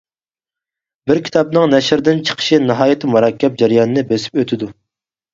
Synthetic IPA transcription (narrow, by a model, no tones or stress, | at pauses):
bɪɾkʲʰi̥t̪ʰɑp̚nɨŋnɛʃɾd̪ɪnt͡ʃʰə̥qʰə̥ʃinɨɦɑːjɪt̪ʰɨmuɾɑkʲːɛp̚d͡ʒɛɾjɑːnɨnɨbøsɪ̥pøt̪ʰɪd̪u